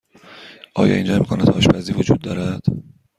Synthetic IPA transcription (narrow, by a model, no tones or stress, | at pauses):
ʔɒːjɒ̰ːind͡ʒɒːmiːkʰonæd̪̥hɒ̰ːʃbæziːvod͡ʒuːd̪̚ːɒːɾæd̪̥